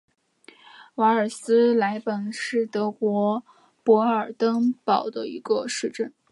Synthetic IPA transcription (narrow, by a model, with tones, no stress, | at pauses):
wa˧˥ə˞˨˩sɹ̩˥la˧˥ɪpə˨˩nʂɻ̩˥˩t̪ɤ˧˥kwɔ˧˥ | pwɔ˧˥ə˞˨˩t̪ɤ˥ŋpɑ˨˩ʊd̪ə˦ḭ˧˥ɡə˧ʂɻ̩˥˧ʈ͡ʂə˥˩n